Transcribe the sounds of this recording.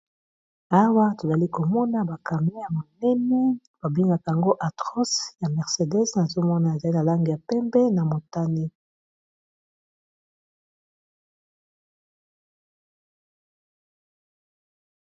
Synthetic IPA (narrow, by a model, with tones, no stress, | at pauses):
a˦wa˦to˨za˨li˦ko˨mɔ˦na˦ba˨ka˨mi˦ja˨mo˨nɛ˦ni˦ | b̥a˨bi˦ŋɡa˨ka˨ja˨ŋɡo˦ʔa˨tɔ˦sja˨mɛ˨ʁse˨dɛ˦sna˨zo˦mɔ˦na˨e˨za˨li˦na˨la˦ŋɡe˨ja˨pɛ˦mbɛ˦na˨mo˨ta˦ni˦